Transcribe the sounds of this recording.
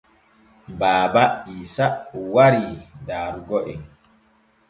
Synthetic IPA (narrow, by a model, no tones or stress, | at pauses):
baːbaiːsaɔwaɾidaːɾuɡɔʔɛ̰n